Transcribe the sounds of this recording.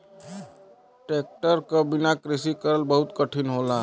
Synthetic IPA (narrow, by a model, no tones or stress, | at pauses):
ʈek̚ʈəɾkəbinakɾisikəɾəlbəɦut̪kəʈʰinɦola